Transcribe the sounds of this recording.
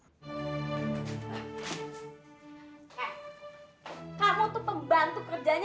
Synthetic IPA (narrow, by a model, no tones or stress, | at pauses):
kaɾot̪upəmbant̪ukərd͡ʒaɲ